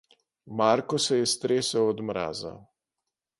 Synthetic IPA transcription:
maɾkɔsɛjɛst̪ɾeːsɛwɔd̪mɾa̰ːza̰

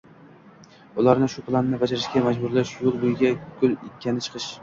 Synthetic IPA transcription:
ʊlˠaɾnɪʃʊplˠanːɪbad͡ʒaɾɪʃɡʲamad͡ʒbʊɾlaʃjolˠbojɪɡʲaɡ̥ʲʰʊlˠɪkʲʰːanɪt͡ʃʰɨ̥qʰɨʃ

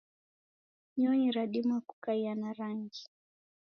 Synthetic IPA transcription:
ɲɔiɾaɗimaku̥kaianaɾaŋɡi

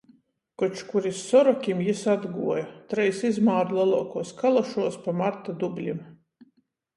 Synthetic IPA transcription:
kɔt͡ʃkuɾisːɔɾɔkʲimjisad̪ɡṵɔjat̪ɾɛjsizmaːɾulˠɛlˠuɔkuɔskalˠaʃuɔspamaɾt̪ad̪ublʲim

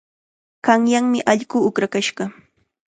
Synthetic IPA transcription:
ɢɑŋjaŋmɪʔaʎɢʊʊkɾakaʃɢɑ

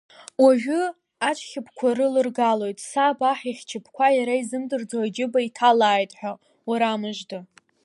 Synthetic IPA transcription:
waʒᶣʊ | at͡ʃʷʰʼχʲɪpʰkʷʰarɨlɨrɡalo̞jtʼsabaħiχʲt͡ʃʰɪpʰkʷʰajaɾaizɨmdɨrd͡zaad͡ʒɪbaitʰalaːjtʼħʷᶣa | waɾamɨʒdɨ

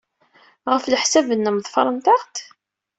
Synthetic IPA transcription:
ʁəfləħsævənːəmðˤfɑɾˤɑnt̪ɑʁt̪

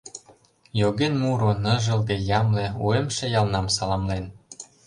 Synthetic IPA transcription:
joɣenmuɾonɤ̆ʒə̆lɣejɑmleuemʃĕjɑlnɑmsɑlɑmlen

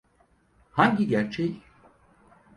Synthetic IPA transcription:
haɲɟiɟæɾt͡ʃʰɛj

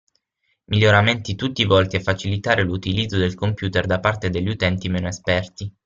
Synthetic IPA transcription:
miʎːoɾament̪it̪ut̪ːivɔlt̪iafːat͡ʃilit̪aːɾelut̪ilid̪zːod̪elkompjuːt̪erd̪apart̪ed̪eʎːut̪ɛnt̪imeːnoespɛrt̪i

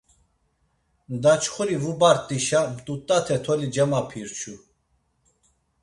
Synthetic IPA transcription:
d̪at͡ʃχuɾivubaɾt̪ʼiʃamt̪ʼut̪ʼːat̪ʰɛt̪ʰɔlid͡ʒɛmapʰiɾt͡ʃʰu

